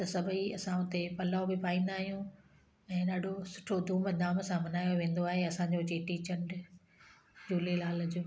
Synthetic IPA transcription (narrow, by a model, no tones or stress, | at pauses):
t̪ɐsɐbʱiɐsãʊt̪epɐlaːobɪpaːĩːn̆d̪aːɦijũ | ɛ̃ːɗaːɖʱosʊ̥ʈʰod̪ʱũːməd̪aːməsãmɐnaːjoʋẽːn̆d̪oaːɦeɐsãːɲd͡ʑot͡ɕeːʈit͡ɕɐ̃ɳɖ | d͡ʑuːlilaːld͡ʑoː